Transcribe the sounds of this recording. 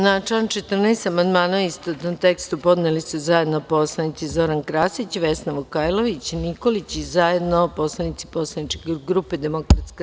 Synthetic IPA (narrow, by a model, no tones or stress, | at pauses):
nat͡ʃant͡ʃet̪r̩nɛːt̪amand̪maːnaist̪ot̪nomt̪e̞kst̪upo̞d̪nelisuzaje̞d̪nopo̞slˠanit̪sizo̞ɾankɾaːsit͡ɕiʋe̞snaʋokajloʋit͡ɕniko̞lit͡ɕizaje̞d̪nopo̞slˠanit̪si̥po̞slˠanit͡ʃkeɡɾuped̪e̞mokɾat̪ske